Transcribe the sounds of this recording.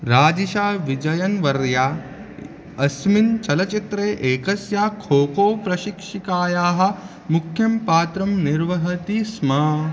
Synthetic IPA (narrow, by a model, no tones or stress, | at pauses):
ɾaːd͡ʒiʃaːʋid͡ʒɐjɐnʋɐɾjaː | ɐsmint͡ʃɐlɐt͡ʃit̪ɾeːʔeːkɐsjaːkʰoːkoːpɾɐʃikʂikaːjaːɦɐ̆ | mukʰːjɐmpaːt̪ɾɐmniɾʋɐɦɐt̪iːsmɐ